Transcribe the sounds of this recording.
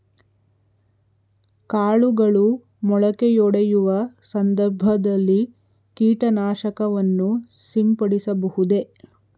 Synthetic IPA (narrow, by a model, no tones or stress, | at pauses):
kaːɭuɡɐɭu | mɔɭɐkejɔɽejuʋɐsɐnd̪ɐɾbʱɐd̪ɐlːi | kiːʈɐnaːʃɐkɐʋɐnːusimpɐɽisɐbɐhud̪e̞